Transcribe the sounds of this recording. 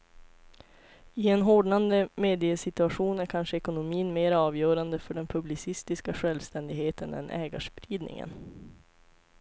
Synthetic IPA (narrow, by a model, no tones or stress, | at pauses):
ɪɛnɦoːɖɳand̪əmeːd̪ɪəsɪt̪ɵaɧuːnæɾkʰanʂəɛkʊnʊmiːnmeːɾaɑːvjœːɾand̪əfœɖɛnpʰɵblɪsɪst̪ɪskaɧɛlvst̪ɛnd̪ɪɡheːt̪ənɛ̰nʔɛːɡa̰ʂpɾiːd̪nɪ̰ŋə̰n